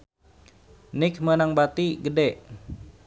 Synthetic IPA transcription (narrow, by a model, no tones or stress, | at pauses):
nɪk̚mənaŋbat̪iɡədɛʔ